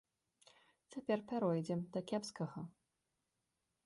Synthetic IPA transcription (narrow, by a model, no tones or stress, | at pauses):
t͡sʲapʲɛrpʲaɾɔjd͡zʲɛmd̪ɐkʲɛpskɐɣɐ